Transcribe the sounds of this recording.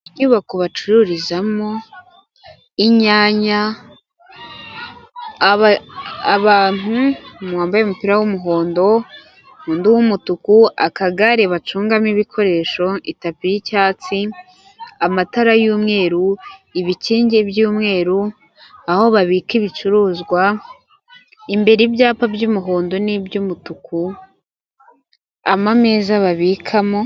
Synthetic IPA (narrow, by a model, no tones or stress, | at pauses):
ɲuːβakoβat͡ʃuɾuɾizamo̞ | iɲaːɲa | aβaːn̥umwaːmbajemupiɾawumuɦo̞ːndo̞ | huːnduwumutukua̰kaɡaɾe̞βat͡ʃuːŋɡamiβikʰo̞ɾe̞ːʃo̞itapijicaːt͡si | amataɾajuːmŋe̞ːɾuiβiciːɲɟebjuːmŋe̞ːɾu | aho̞βaβiːkiβit͡ʃuɾuːzɡwa | imbe̞ɾibjaːpabɟumuɦo̞ːndo̞nibjumutuku | amameːzaβaβikʰamo̞